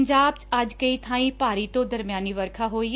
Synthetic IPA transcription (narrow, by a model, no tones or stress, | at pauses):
d͡ʒaːbt͡ʃəd͡ʒkəiːt̪ʰãːĩːpaːɾiːt̪õːd̪əɾmɪjaːniːʋəɾkʰaːɦoːi